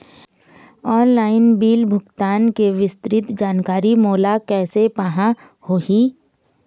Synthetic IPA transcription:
ɔːnlaːɪnbiːlbʱʊɡt̪aːnkeʋɪst̪ɾɪt̪d͡ʒaːnkaːɾimoːlakɛːsepaɦã | hoːɦiː

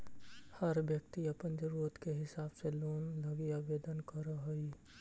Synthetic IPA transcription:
həɾʋjək̚t̪iɐpənd͡ʒəɾuːɾət̪keɦɪsaːbseloːnləɡiaʋeːd̪ənkɐɾaɦoi

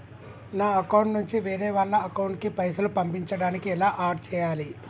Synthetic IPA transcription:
naːɐkɐwɳʈnuɲt͡ʃiʋeːɾɛːʋaːɭːɐɐkɐwɳʈkipɐjsɐlupɐmpiɲt͡ʃɐɽaːnikiɛlaːʔaːʈ̚t͡ʃɛːjaːli

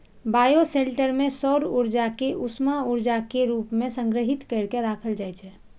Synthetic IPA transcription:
baːjoseɳʈəɾmẽsɔɾuɾd͡ʒakeʔusmauɾd͡ʒakeɾuːpmẽsə̃ŋɡɾəɦɪt̪kəɪɾkeɾaːkʰəld͡ʒajt͡ʃʰɛ

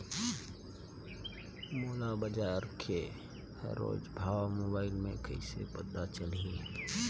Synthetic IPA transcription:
moːlabəd͡ʒaːɾkʰe | hə̰ɾːo̰ːd͡ʒbʱaːwamoːbaːɪlmẽkəɪsḛpəd̪at͡ʃəlie

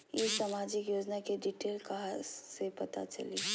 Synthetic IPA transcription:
jesamaːd͡ʒɪkjoːd͡ʒnakeɖiʈeːlkɐɦasepɐt̪a̰t͡ʃɐ̰lḭ

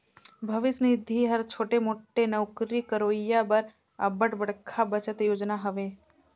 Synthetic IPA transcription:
bʱəʋɪsnɪd̪ʱiɦəɾt͡ʃʰoːʈemoːʈːenəwkɾikəɾoːjabəɾ | ə̰bəʈbəɽkʰabət͡ʃət̪joːd͡ʒnaɦəʋe

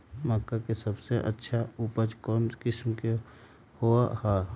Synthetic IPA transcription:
məkːakesəbseʔə̰tːʃʰaupəd͡ʒkɔːnkɪsmke | hoːahaː

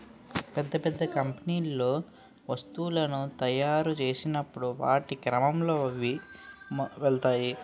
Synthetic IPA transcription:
pɛd̪ːɐpɛd̪ːɐkɐmpɐniːlːo̞ː | ʋɐst̪uːlɐnut̪ɐjaːɾut͡ʃe̞ːsinɐpːuɽuʋa̰ːʈikɾɐmɐmlo̞ːʋi | ʋɛɭt̪aːji

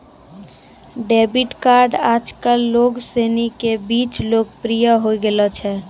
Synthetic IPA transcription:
ɖeːbiʈkaːɾɖaːd͡ʒkəlːoːɡseːnikebiːt͡ʃloːɡ̚pɾijəɦoiɡelət͡ʃʰɛː

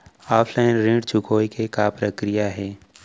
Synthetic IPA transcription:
aːpʰlaːɪnɾĩɖt͡ʃʰʊkʰoːikekapɾəkɾijaɦɛː

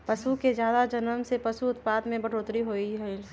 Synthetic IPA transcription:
pəsuked͡ʒjaːd̪ad͡ʒənəmsepəsuʊt̪paːd̪mẽbəɽ̤oːt̪ɾiɦoiɦɛɪl

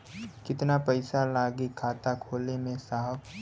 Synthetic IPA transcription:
kɪt̪napɐɪsalaːɡikʰaːt̪akʰoːlemẽsaɦ

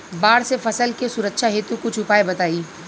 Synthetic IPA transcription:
baːɽsefɐsəlkesʊɾəkʃaɦeːt̪ukot͡ʃʰʊpaːebɐt̪aːiː

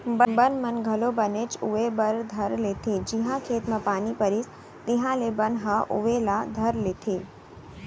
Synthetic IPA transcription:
bəbənmɐnɡʱɐlobənet͡ʃʊʋebəɾd̪ʱɐɾlet̪ʰed͡ʒɪɦãkʰeːt̪mãpaːnipəɾɪs | t̪ɪɦãlebənɦãʔʊ̰ʋelad̪ʱɐɾleːt̪ʰeː

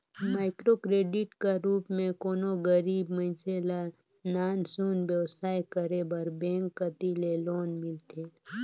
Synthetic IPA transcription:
maːɪkɾokɾeːɖɪʈkaɾuːpmẽkoːnoɡəɾiːbmə̃ɪnsela | naːnsuːnbjəʋsaːjkəɾebəɾbɛ̃ːŋkːət̪ileloːnmɪlt̪ʰeː

